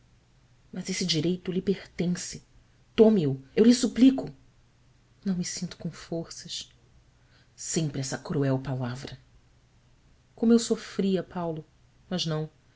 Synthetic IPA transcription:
mɐzesɪd͡ʒiɾejt̪ʊlipeχt̪ẽsɪ | t̪õmiʊewlisuplikʊ | nɐ̃w̃misĩnt̪ʊ̥kõw̃foχsɐs | sẽpɾɪɛsɐkɾuɛwpalavɾɐ | kõmʊewsofɾiɐpawlʊ | mɐznɐ̃w̃

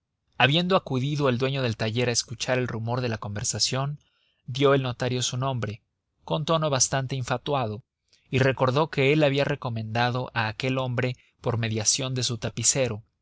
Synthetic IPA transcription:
aβje̞nd̪o̞akuðiðo̞e̞ld̪we̞ɲo̞ð̞e̞lt̪aʝe̞ɾaeskut͡ʃaɾe̞lrumo̞ɾðe̞lako̞mbe̞ɾsasjo̞n | d̪jo̞e̞lno̞t̪aɾjo̞sunõ̞mbɾe̞ | ko̞nt̪o̞no̞β̞ast̪ant̪e̞iɱfat̪wað̞o̞ | ire̞ko̞ɾðo̞ke̞e̞laβiare̞ko̞mẽ̞nd̪aðo̞ʔaːke̞lo̞mbɾe̞ | po̞ɾme̞ðjasjo̞nd̪e̞sut̪apise̞ɾo̞

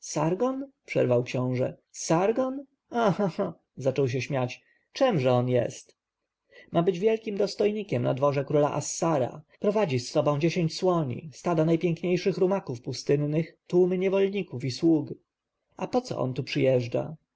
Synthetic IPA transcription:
saɾɡɔnpʂɛ̰ɾvawkɕɔ̃w̃ʐɛ̰saɾɡɔn | ahaa | zat͡ʂɔwɕ̬ɛɕmʲjat͡ɕ | t͡ʂɛmʐɛɔnjɛ̰st̪ | mabɘd͡ʑvʲjɛlkʲimd̪ɔst̪ɔjɲikʲɛmna̰d̪vɔʐɛkɾula̰ʔasːaɾa̰pɾɔvad͡ʑisːɔbɔ̃w̃d͡ʑeɕeɲt͡ɕswɔɲḭst̪ad̪anajpʲjɛŋkɲejʂɘxɾumakufpust̪ɘnːɘxt̪umɘɲɛvɔlɲikufiswuɡ | apɔt̪sɔ̰ʔɔ̰nt̪upʂɘjɛʐd͡ʐa̰

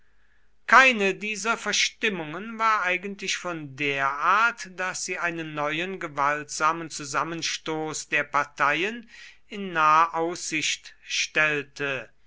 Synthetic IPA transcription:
kaɪnədiːzɐfɛɐʃtɪmʊŋənvaːɐʔaɪɡəntlɪʃfɔndeːɐʔaːɐtd̥asz̥iːʔaɪnənːɔʏənɡəvaltz̥aːmənt͡suzamənʃtoːsd̥eːɐpaɐtʰajən | ɪnːaːəʔaʊsz̥ɪʃtʃtɛltʰə

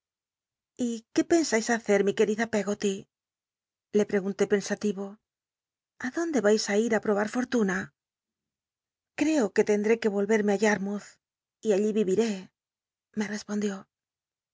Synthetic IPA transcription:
ike̞pe̞nsajsaθe̞ɾmike̞ɾiðape̞ɣo̞t̪i | le̞pɾe̞ɣunt̪e̞pe̞nsat̪iβo̞ | aðo̞nd̪e̞βajsaiɾapɾo̞β̞aɾfo̞ɾt̪una | kɾe̞oke̞t̪e̞nd̪ɾeke̞βo̞lβe̞ɾmeaʎaɾmuθ | iaʎiβiβiɾe̞ | me̞re̞spo̞nd̪jo̞

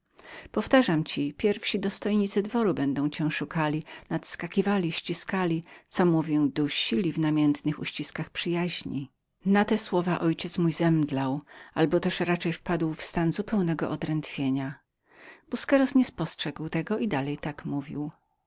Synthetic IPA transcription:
pɔft̪aʐamt͡ɕipʲjɛɾfɕid̪ɔst̪ɔjɲit̪sɘd̪vɔɾubɛnd̪ɔ̃w̃t͡ɕɛ̃w̃ʂukalʲinat̪skakʲivalʲiɕt͡ɕiskalʲit̪sɔmuvʲjɔwd̪uɕilʲivnamʲjɛnt̪nɘxṵɕt͡ɕiskaxpʂɘjaʑɲḭ | nat̪ɛswɔvaʔɔjt͡ɕɛt̪smujzɛmd̪lawalbɔt̪ɛʂɾat͡ʂɛjfpad̪wfst̪anzupɛwnɛɡɔ̰ʔɔd̪ɾɛnt̪fʲjeɲa | b̥uskɛɾɔsɲɛspɔstʂɛɡwt̪ɛɡɔʔid̪alɛjt̪akmuvʲḭw

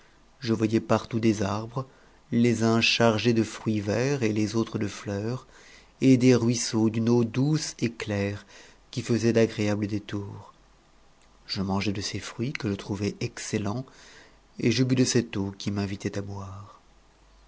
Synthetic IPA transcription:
ʒəvwajɛpaʁt̪ud̪ezaʁbʁə | lezɛ̃ʃaʁʒed̪əfχɥivɛʁelezot̪χəd̪əflœʁ | ed̪eʁɥisod̪ynod̪useklɛʁkʲifəzɛd̪aɡʁeabləd̪et̪uːʁ | ʒ̥əmɑ̃ʒɛd̪əsefχɥikəʒət̪χuvɛʔɛkselɑ̃ | eʒəbyd̪əsɛt̪okʲimɛ̃vit̪ɛt̪abwaʁ

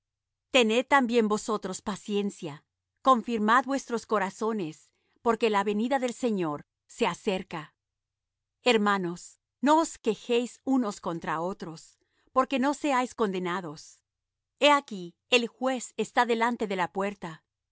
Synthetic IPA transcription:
t̪e̞ne̞ð̚t̪ambje̞mbo̞so̞t̪ɾo̞spasje̞nsja | ko̞ɱfiɾmaðbwe̞st̪ɾo̞sko̞ɾaso̞ne̞s | po̞ɾke̞laβe̞niðaðe̞lse̞ɲo̞ɾ | se̞ase̞ɾka | e̞ɾmano̞s | no̞oske̞xejsuno̞sko̞nt̪ɾao̞t̪ɾo̞s | po̞ɾke̞no̞se̞ajsko̞nd̪enaðo̞s | e̞aki | elxwe̞sest̪aðe̞lant̪e̞ðe̞lapwe̞ɾt̪a

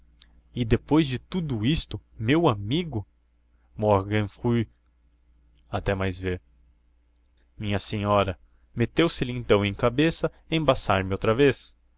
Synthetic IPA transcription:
ɪd̪epojzd͡ʒɪt̪ud̪ʊist̪ʊmewamiɡʊ | mɔɾɡɐ̃nfuj | at̪ɛmajzveɾ | mĩɲɐsẽɲɔɾɐ | met̪ewsɪlɪẽnt̪ɐ̃w̃ẽj̃kabesɐ | ẽbasaɾmɪowt̪ɾɐves

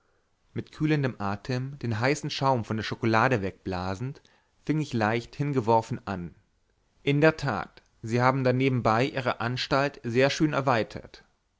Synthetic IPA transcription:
mɪtkʰyːləndəmʔaːtʰəmd̥eːnɦaɪsn̩ʃaʊmfɔndeːɐʃokolaːɾəvɛk̚b̥laːzn̩t | fɪŋɪçlaɪçthɪnɡəvɔɐfn̩ʔan | ʔɪndeːɐtʰa̰ːt | z̥iːhaːbm̩daneːbm̩baɪʔiːʁəʔanʃtaltzeːɐʃøːnɛɐvaɪtʰɐ̰t

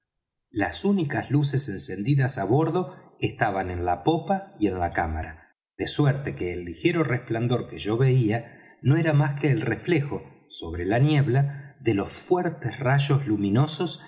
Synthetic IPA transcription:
lasunikazlus̬e̞se̞nse̞nd̪iðasaβo̞ɾðoest̪aβanẽ̞nlapo̞paie̞nlakamaɾa | ðe̞sweɾt̪e̞keːlːixe̞ɾo̞respland̪o̞ɾkeʒo̞βe̞ia | no̞eɾamaskeːlrefle̞xo̞ | so̞β̞ɾe̞lanje̞βlaðe̞lo̞sfweɾt̪esraʒo̞zlumĩno̞so̞s

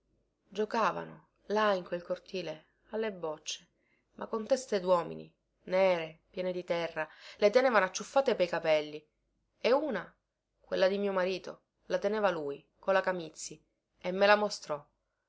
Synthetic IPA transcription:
d͡ʒokaːva̰no | laiŋkwelkort̪iːle | alːebːɔt͡ʃːe̥ | mʔakːont̪ɛst̪ed̪wɔːmḭnḭ | neːɾepjɛːned̪it̪ɛrːalet̪enɛːvanoat͡ʃːufːaːt̪epejkapɛlːi | euːna | kwelːad̪imiːomaɾiːt̪o̰ | lat̪enɛvaluːj | kolakamit̪sːi | emːelamost̪ɾɔ

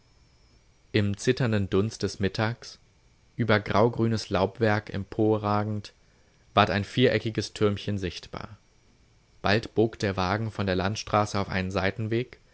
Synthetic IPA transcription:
ʔɪmt͡sɪtɐndəndʊnst̚d̥ɛsmɪtʰaːks | ʔyːbɐɡʁaʊɡʁyːnəslaʊpv̥ɛɐkɛ̰mpʰoːɐʁaːɡŋ̩t | v̥aːɐtaɪnfiːɐʔɛkɪɡəstʰʏɐmçənzɪçtb̥a̰ːɐ | b̥altb̥oːkd̥eːɐvaːɡŋ̩fɔndeːɐlantʃtʁ̥aːsəaʊfʔa̰ɪnənzaɪtn̩veːk

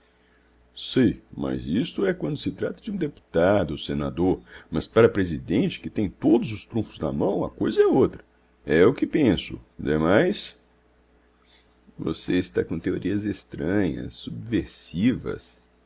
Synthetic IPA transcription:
sejmɐ̰zist̪ʊɛkwɐ̃nd̪ʊsɪt̪ɾat̪ɐd͡ʒɪũd̪epu̥t̪ad̪ʊsena̰d̪oɾmɐspaɾɐpɾezid̪ẽnt͡ʃɪ̥kɪt̪ẽj̃t̪od̪ʊzʊst̪ɾũfʊznɐ̰mɐ̃w̃ɐ̰kojzɐɛot̪ɾɐ | ɛʊkɪpẽsʊ̰d̪emajs | vo̰seɪst̪a̰kõt̪eoɾʔiɐzest̪ɾɐ̃ɲɐ̰sːubveɾsivɐ̰s

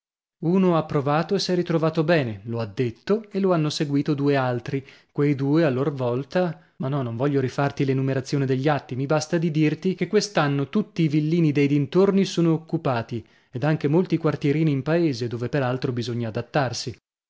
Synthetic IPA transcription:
uːnoapːɾovaːt̪oesːɛɾit̪ɾovaːt̪obɛːneload̪ːet̪ːoelːoanːoseɡwiːt̪od̪uːealt̪ɾikwejd̪uːealːorvɔlt̪a | manːɔnõɱvɔʎːoɾifart̪ilenumeɾat̪sːjoːnid̪eʎːat̪ːimibast̪ad̪id̪irt̪ik̟ekːwest̪anːot̪ut̪ːiːvilːiːnid̪ejd̪int̪ornisoːnoːkːupaːt̪i | ed̪aŋk̟emolt̪ikwart̪jeɾiːniːmpaeːzed̪oːvepeɾalt̪ɾobizoɲːaːd̪at̪ːarsi

